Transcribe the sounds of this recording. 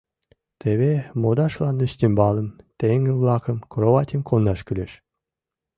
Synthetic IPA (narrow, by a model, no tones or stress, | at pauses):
t̪eβemod̪ɑʃlɑnyst̪ʲembɑləmt̪eŋɡəβlɑkə̆mkoɾoβɑt̪ʲimkʰonːɑʃkyleʃ